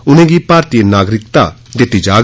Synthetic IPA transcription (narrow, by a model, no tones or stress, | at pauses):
ʊnẽːɡipaːɾt̪ienaːɡɾɪk̚t̪a̰ | d̪ɪt̪ːid͡ʒaː